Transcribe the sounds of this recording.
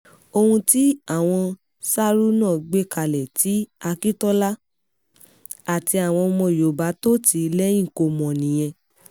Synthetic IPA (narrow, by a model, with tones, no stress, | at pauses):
o˧hũ˧ti˦a˦˨w̃ɔ̃˧ | sa˦ɾu˦nãː˦˨ɡ͡be˦ka˧˨lɛ˨ti˨˦a˧ki˦tɔ˦la˦ | a˦˨ti˧a˨w̃ɔ̃˧mɔ̃˧jo˨ba˨˦to˦ti˧lɛ˦jĩ˦˨ko˧mɔ̃˨nĩ˨j̃ɛ̃˧